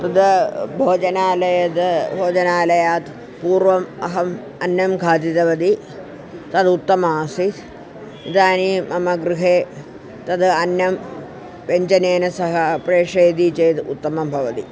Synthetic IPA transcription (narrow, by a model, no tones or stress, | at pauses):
t̪ɐd̪ɐbʱoːd͡ʒɐnaːlɐjɐt̪bʱoːd͡ʒɐnaːlɐjaːt̪ | puːɾʋɐmɐɦɐm | ɐnjɐmɡʱaːt̪it̪ɐʋɐd̪i | t̪ɐd̪ut̪ːɐmaːsit̪ | id̪aːnimɐmɐɡɾuɦeː | t̪ɐd̪ɐnjɐm | peɲt͡ʃɐneːnɐsɐɦɐpɾeːʂeːd̪it͡ʃeːt̪ṵt̪ːɐmɐmbʱɐʋɐt̪ḭ